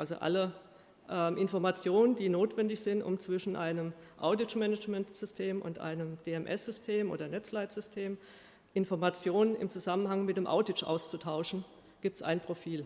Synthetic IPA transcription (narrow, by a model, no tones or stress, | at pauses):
ʔalzo̰ʔa̰lə | ʔɛːmʔɪnfɔɐmat͡sjoːnəndiːnoːtv̥ɛndɪçz̥ɪntʊ̰mt͡sv̥ɪʃn̩ʔaɪnəmʔa̰ʊdɪt͡ʃmɛnət͡ʃmɛntz̥ʏstʰeːmʔʊ̰ntʔa̰ɪnəmd̥eːɛmʔɛsz̥ʏstʰeːmʔo̰ːdɐnɛt͡slaɪtz̥ʏstʰeːm | ʔɪnfɔɐmat͡sjoːnənɪ̰mt͡suzamənhaŋmɪtd̥eːmʔa̰ʊdɪt͡ʃʔa̰ʊst͡sutʰaʊʃn̩ | ɡ̥iːp̚tsa̰ɪnpʁ̥ofiːl